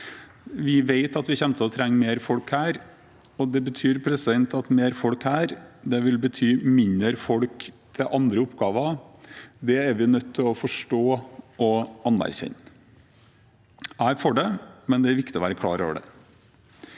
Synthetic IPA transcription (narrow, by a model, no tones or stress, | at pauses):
ʋɪʋeɪt̪ɑt̪ʋɪçɛmt̪ʰəɔt̪ʰɾɛŋːmeːɾfɔlkhæːɾ | ɔd̪ɛbət̪ʰyːɾpʰɾɛsɪd̪ɛnt̪ɑt̪meːɾfɔlkhæːɾd̪ɛʋɪlbət̪ʰyːmɪnəɾfɔlkt̪ʰɪlʔɑnd̪ɾəʊpːɡɑːʋɑ | d̪ɛæɾʋɪnœt̪ʰːɪlɔfɔʂʈoːɔɑnːæ̰ɾçɛ̰nː | æɪfɔɖɛmɛnd̪ɛæɾʋɪkt̪ɪɔʋæːɾəkʰlɑ̰ːɾo̰ːʋəɖɛ̰